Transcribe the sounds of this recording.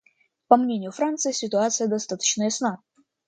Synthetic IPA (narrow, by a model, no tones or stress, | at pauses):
pɐmnʲenʲɪjʊfɾant̪sɨjɪsʲɪt̪ʊat̪sɨjəd̪ɐst̪at̪ə̥t͡ɕnəjɐsna